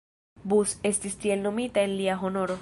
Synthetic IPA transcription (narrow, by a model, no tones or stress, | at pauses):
busest̪ist̪jelnomit̪aenliaɦonoɾo